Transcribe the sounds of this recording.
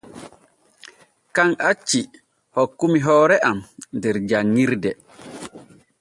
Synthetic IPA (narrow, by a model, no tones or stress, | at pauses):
kanʔat͡ʃːi | hɔkːumiɦɔːɾɛʔamndɛɾd͡ʒaŋːiɾdɛ